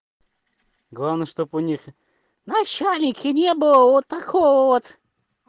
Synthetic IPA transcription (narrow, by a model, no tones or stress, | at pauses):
ɡlˠavnəʂt̪opʊnʲix | nɐt͡ɕælʲnʲɪkʲʰɪnʲebɨlˠəvot̪ːɐkʰovəvot̪